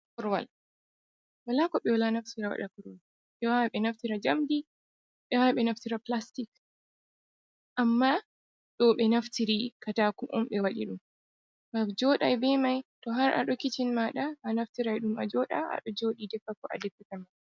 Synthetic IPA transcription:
kɔɾwa̰l | walakɔɓɛwalanaftiɾawa̰ɗakuɾwal | ɓɛwawɓɛnaftiɾad͡ʒamdi | ɓɛwaɓɛnaftiɾaplastik | ʔamːa | ɗɔɓɛnaftiɾikatakumʔɔ̰mɓɛwaɗiɗum | bad͡ʒɔːɗa̰jbɛmajtɔɦaɾʔa̰ɗɔkit͡ʃinmaɗaʔːnaftiɾajɗumʔa̰d͡ʒɔɗa̰a̰ɗɔd͡ʒoːɗidɛfakɔʔa̰dɛpːɛtama

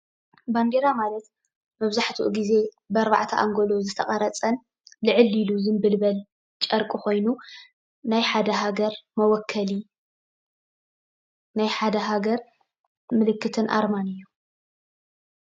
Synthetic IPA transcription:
band̪e̞ɾamalɐt̪ | mɐβzaħt̪ʰṵʔuɡize̞ | bɐɾβa̰ʕt̪ʰɐʔaŋɡo̞lo̞zɨt̪ʰɐχʼɐɾɐt͡sʼɐn | lɨʕɨliluzɨnbɨlbɐl | t͡ʃʼɐɾkʼiko̞jnu | najħad̪ɐɦaɡɐɾmɐwɔkʰːɐli | najħad̪ɐɦaɡɐɾ | mɨlɨkʰːɨt̪ʰɨnʔa̰ɾmanɨjːu

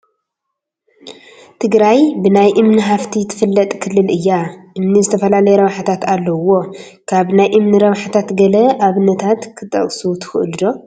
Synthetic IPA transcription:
t̪ʰɨɡɾajbɨnajʔɨmniɦaft̪ʰit̪ʰɨ̥fɨlːɐt̪ʼkʰɨlːɨlʔɨjːaʔɨmnizɨt̪ʰɐfɐlalɐjɛɾɐβħat̪ʰat̪alːɐwo̞ | kʰaβnajʔɨmnɨɾɐβħat̪ʰat̪ɡɐlɐʔaβɨnɐt̪ʰat̪kʰɨt̪ʼɐ̰kʼsut̪ʰɨ̥xɨʔɨld̪o̞

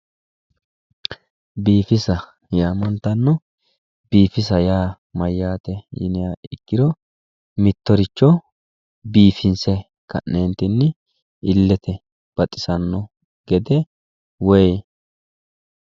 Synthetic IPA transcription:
biːfɪsɐ | jaːmɐnt̪ɐnːɔ | b̥iːfɪsɐjaː | mɐjːaːt̪ɛjɪ̰nɪjaɪ̰kːɪɾɔ | mɪt̪ːɔɾɪt͡ʃːɔ | biːfɪnsɛ | kɐ̰nːeːnt̪ɪnːɪ | ɪlːɛt̪ʰɛ | b̥ɐt̪ʼːɪ̥sɐnːɔ | ɡɛd̪ɛ | wɛj

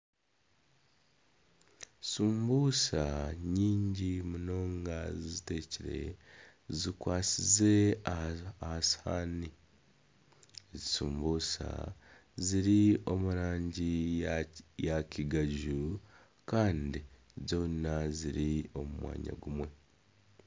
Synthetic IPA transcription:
suːmbuːsaɲiːɲɟimuno̞ːŋɡazizite̞ːciɾe̞̰ | zikwaːsize̞ | ahashaːni | ezisuːmbuːsa̰ | ziɾio̞muɾaːɲɟi | jaciɡaɟu | kaːndi | zo̞ːnaziɾio̞mumwa̰ːɲa̰ɡumwe̞

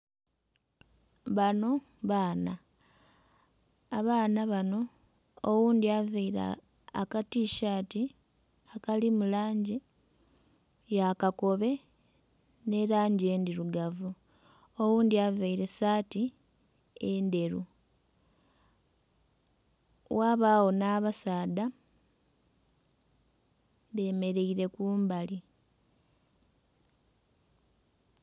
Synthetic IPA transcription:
βano̞ | βaːna | βaːnaβano̞ː | wuːnd̪iavaiɾa̰ː | katiːʃaːti | akalimulaːɲɟi | jakako̞βe̞ | ne̞ɾaːɲɟie̞ːndiɾuɡavu | owuːndiavaiɾe̞saːti | end̪e̞ɾu | waβaːwo̞naːβasaːda | βe̞ːme̞ɾe̞iɾe̞kuːmbali

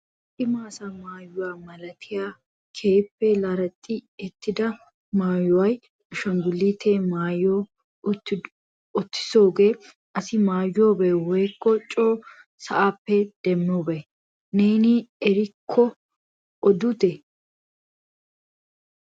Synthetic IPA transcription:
ʔɪmaːsɐmaːjːʊwaːmɐlɐt̪ʰɪjaː | kʰeːpːɛlɐɾɐt̪ʼːɪɛt̪ːɪd̪ɐ | maːjʊwɐj | ʊʃɐŋɡʊlːiːt̪ʰeːmaːjoː | ɔt̪ːɪ̥soːɡeː | ʔɐsɪmaːjoːbɛːwɔjkːɔt͡ʃʼoː | sɐʔaːpːɛd̪̥ɛmːobɛ | neːnɪɛɾɪkʰːɔ | ʔɔd̪ʊt̪ɛ

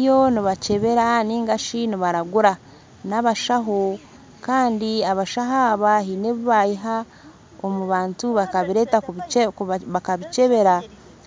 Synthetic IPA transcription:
jo̞niβace̞βe̞ɾaniːŋɡaʃiniβaɾaɡuɾa | naβaʃaɦo̞ | kaːndiaβaʃaɦaːβaɦine̞βuβajiɦa | omuβaːntuβakaβiɾe̞ta | βakaβice̞βe̞ɾa

